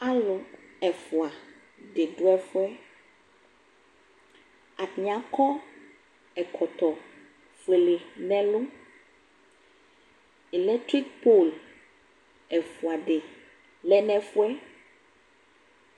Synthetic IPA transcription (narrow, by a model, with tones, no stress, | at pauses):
a˦lo˨ɛ˨fu˨a˨ | ɖe˨ɖo˦ɛ˦fo˦ɛ˦ | a˨tɲã˨kɔ˦ | ɛ˨kʰɔ˨t̪ɔ˨ | fe˨le˨nɛ̃˦lo˦ | e˨lɛ˦tɾi˦k̚po˦˨l | ɛ˨fu˨a˨ɖe˨ | lɛ˦nɛ̃˦fu˦ɛ˦